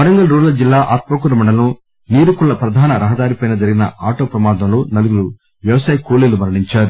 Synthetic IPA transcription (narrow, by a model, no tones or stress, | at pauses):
mɐɾɐŋɡɐlɾuːɾlɐd͡ʒilːaːʔaːt̪̚mɐkuɾɐmɐɳɖɐlɐnu | niːɾukuɭːɐpɾɐd̪ʱaːnɐɾɐɦɐd̪aːɾipɐjnɐd͡ʒɐɾiɡinɐ̰aːʈoːpɾɐmaːd̪ɐmloːnɐluɡuɾu | ʋjɐʋɐsaːjkuːlilumɐɾɐɽiɲt͡ʃaːɾu